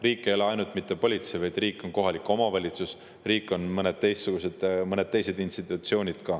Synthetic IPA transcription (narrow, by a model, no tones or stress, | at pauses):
riːkˑːejoleɑjnult̪mit̪ːe̞po̞lʲit̪sejvɑjd̪̥riːkːˑo̞nko̞ɦɑlikːˑo̞mɑvɑlʲit̪sus | riːkːˑo̞nmɤned̪̥̚t̪e̞jst̪ːsuɡ̥use̞d̪̥mɤne̞d̪̥̚t̪e̞jse̞d̪inst̪it̪ˑut̪sio̞ːnʲid̪̥kɑ